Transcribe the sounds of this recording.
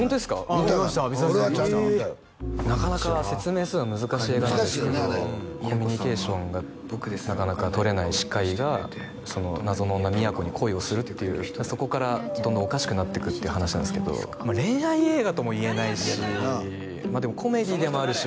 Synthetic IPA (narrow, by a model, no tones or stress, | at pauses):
hõnt̪od̪esɨ̥kat̪imaɕt̪abʲiaa | nakanakase̞t͡sɨme̞ːsɨːnamɯ̟zɨkaɕiːeːɡanand̪eɨked̪okʰo̞mʲːiɲ̟ike̞ːɕõ̞ŋɡa | kɯnakanakat̪o̞ɾe̞naiɕi̥kaiɡa | so̞no̞nazo̞nonːamʲiako̞ɲ̟ikʰo̞io̞sɨɾɯ̟tt̪ːe̞jɯ̟̰ːso̞ko̞kaɾad̪õ̞nd̪õːkaɕi̥kɯ̟nat̪ːe̞kɯ̟t̪ːeiɯ̟hanaɕinãnesɨ̥ke̞d̪o̰ | maɾẽ̞ɰaie̞ːɡat̪o̞mo̞ie̞naiɕi | maːd̪e̞mo̞kʰo̞me̞d̪ʲid̪e̞moaɾɯ̟ɕi